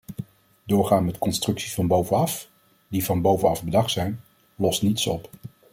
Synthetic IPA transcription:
dʊːɹχaːnmɛtkɔnstrɵksisfɑnbowvənɑf | divɑnbowvənɑvbədɑχtsɛjn | lɔstnitsɔp

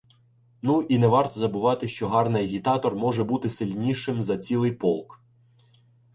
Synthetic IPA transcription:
nuʔinɛʋɑrt̪ɔzɐbʊʋɑt̪ɪʃt͡ʃɔɦɑrnɪjɐɦʲit̪ɑt̪ɔrmɔʒɛbut̪ɪsɪlʲnʲiʃɪmzɐt͡sʲilˠɪjpɔlˠk

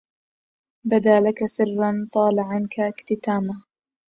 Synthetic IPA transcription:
bad̪aːlakasɨrːant̪ˤɑːlaʕankʰakt̪ɪt̪aːma

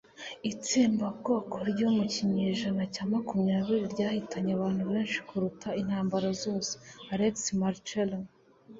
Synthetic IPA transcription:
it͡siːmbaɡokoɾɟo̞muciɲe̞ʒanacaːmakumɲaːβiɾiɾɟaːhitaɲeaβaːn̥huβeːnʃi̥kuɾutʰain̥haːmbaɾazo̞ːseaɾeksmaɾt͡ʃelan

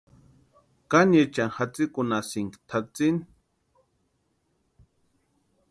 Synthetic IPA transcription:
kanjet͡ʃaŋhat͡sikunasiŋkt̪ʰat͡sin

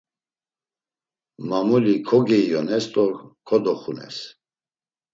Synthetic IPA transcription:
mamulikʰɔɡɛijɔnɛst̪ʼɔɾkʰɔd̪ɔχunɛ̰s

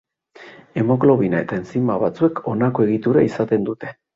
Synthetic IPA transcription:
e̞mo̞klo̞βinae̞t̪ae̞nt͡simaβat͡sue̞kʰo̞nako̞e̞ɣit̪uɾaisat̪e̞nd̪ut̪e̞

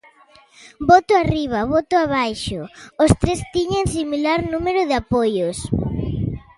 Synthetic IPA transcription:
bɔt̪ʊariβ̞aβɔt̪ʊaβ̞ajʃoost̪ɾest̪iɲeŋsimilaɾnũmeɾʊðeapojos

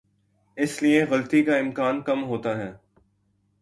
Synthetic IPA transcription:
ɪsliẽɣɐlt̪ikaɪ̃mkaːnkɐmɦoːt̪aːɦɛː

